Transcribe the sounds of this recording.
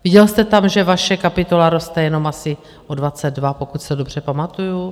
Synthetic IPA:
vɪɟɛlst̪ɛt̪amʒɛvaʃɛkapɪt̪o̞laɾo̞st̪ɛjɛno̞masɪ | ʔodvat͡sɛd̪vapo̞kuc̪sɛdo̞br̝̥ɛpamat̪uju

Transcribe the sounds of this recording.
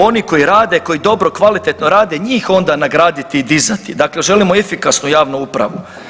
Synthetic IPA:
o̞niko̞jiɾaːd̪e̞ko̞jid̪o̞bɾo̞kʋalit̪e̞t̪no̞ɾaːd̪e̞ɲiːxo̞nd̪anaɡɾaːd̪it̪iːd̪izat̪id̪akle̞ʒe̞limo̞efikasnujaːʋnuupɾa̰ʋu

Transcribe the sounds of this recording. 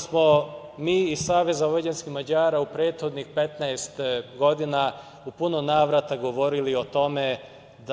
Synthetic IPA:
smo̞miːsaːʋe̞zaʋo̞d͡ʑenskixmad͡ʑaːɾaupɾe̞ːt̪xo̞d̪nixpe̞t̪naest̪ɡo̞d̪ina | upunonaːʋɾat̪aɡo̞ʋo̞ɾilio̞t̪o̞me̞ | d̪

